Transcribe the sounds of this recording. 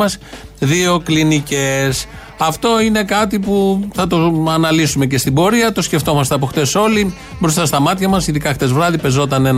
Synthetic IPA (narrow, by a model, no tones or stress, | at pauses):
ɐsðio̞klinice̞s | ɐft̪o̞ine̞kɐt̪ipuθɐt̪o̞ɐnɐlisume̞ce̞st̪ibo̞ɾiɐt̪o̞sce̞ft̪o̞mɐs̬t̪eɐpo̞xt̪e̞so̞li | bɾs̬t̪ɐst̪ɐmɐt̪çɐmɐsiðikɐxt̪e̞zvɾɐðipe̞zo̞t̪ɐne̞n